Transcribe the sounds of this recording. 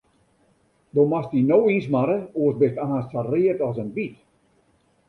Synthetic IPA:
domastinowinsmaɾəoəsbɪtaːstsariətɔsənbit

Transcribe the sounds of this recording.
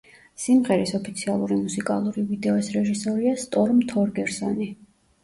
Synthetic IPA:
simʁɛɾisɔpʰit̪sʰialˠuɾimusikʼa̰lˠuɾivid̪ɛɔsɾɛʒisɔɾiast̪ʼɔɾmt̪ʰɔɾɡɛɾsɔni

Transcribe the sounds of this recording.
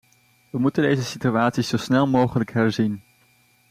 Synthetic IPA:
ʋəmutəndejzəsityaːtsisz̥owsnɛlˠmowχələkɦɛɹzin

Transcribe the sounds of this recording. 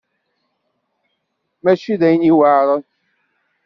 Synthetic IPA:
mæʃiðæjniwaːɾˤə

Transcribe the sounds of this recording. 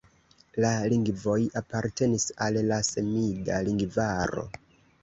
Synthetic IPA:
laliŋɡvo̞japaɾte̞nisalːase̞midaliŋɡvaɾo̞̰

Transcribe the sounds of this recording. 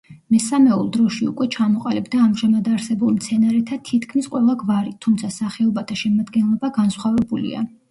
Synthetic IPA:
mɛsamɛṵlˠd̪ɾɔʃiṵkʼwɛt͡ʃʰamɔqʼalibd̪aːmʒamad̪aɾsɛbulˠmt̪sʰɛnaɾɛt̪ʰat̪ʰit̪ʰkʰmisqʼwɛlˠaɡvaɾit̪ʰumt̪sʰasaχɛɔbat̪ʰaʃɛmad̪ɡɛnlˠɔbaɡansχwavɛbulḭa̰

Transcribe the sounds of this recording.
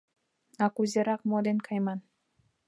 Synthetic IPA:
ɑkuzʲeɾɑq̚mod̪enkʰɑjmɑn

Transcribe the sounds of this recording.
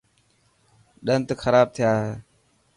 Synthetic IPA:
ɗənt̪əkʰəɾaːb̚t̪ʰɪjaːeː

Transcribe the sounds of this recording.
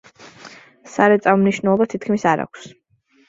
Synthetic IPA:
saɾɛt̪sʼammniʃnɛlˠɔbat̪ʰit̪ʰkʰmisaɾa̰kʷʰs

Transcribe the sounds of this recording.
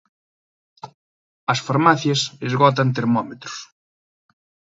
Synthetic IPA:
ɐsfaɾmaθjɐsezɣɔt̪ɐnt̪eɾmɔmet̪ɾʊ̥s

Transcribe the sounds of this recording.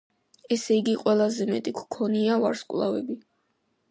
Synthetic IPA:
ɛsɛiɡiqʼwɛlˠazɛmɛt̪ʼikʰkʰɔniava̰ɾskʼwlˠa̰vɛbi

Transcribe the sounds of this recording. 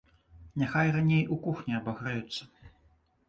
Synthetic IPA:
nʲaxajranʲejʔukuxnʲiɐbaɣɾajut̪sːɐ

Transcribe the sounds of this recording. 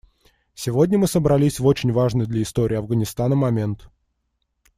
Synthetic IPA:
sʲɪvodʲnʲəmɨsəbɾɐlʲisʲvo̞t͡ɕɪnʲvaʐnəjd̪lʲəɪst̪oɾʲɪːɐvɡənʲɪst̪anəmɐmʲe̞nt̪

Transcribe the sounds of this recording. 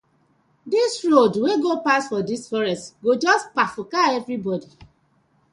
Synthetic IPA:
disɹodweɡopasfɔdisfɔɹɛstɡod͡ʒɔspafʊkaɛvɾibɔdi

